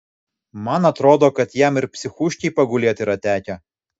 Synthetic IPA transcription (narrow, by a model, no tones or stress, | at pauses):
mɐnɐt̪ɾoːd̪oːkɐt̪jɛˑmɪɾpʲsʲɪxuʃʲkʲɛɪpɐɡʊlʲeːt̪ɪɾɐt̪ʲæːkʲɛ